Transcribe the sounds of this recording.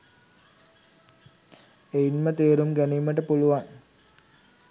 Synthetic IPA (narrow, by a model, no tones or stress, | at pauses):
ejinmət̪eːɾumɡæniːməʈəpuluʋaŋ